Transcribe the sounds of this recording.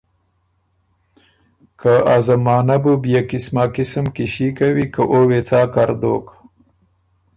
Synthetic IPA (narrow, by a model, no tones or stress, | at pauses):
kaazamɑːnabubjakɪsmaːkɪsəmkiʃikawikəʔowet͡sɑːkaɾd̪o̰ːk